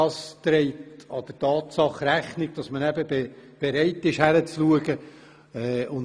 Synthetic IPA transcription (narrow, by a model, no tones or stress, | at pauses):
ɑst̪ɾɛɪtɑd̪̥ətɑːt̪sɑχræχnɪɡ̥̚d̥ɑsmənæbəbeb̥eɾɛɪtːɪʃhæɾət͡sluəɡə | ɛʊn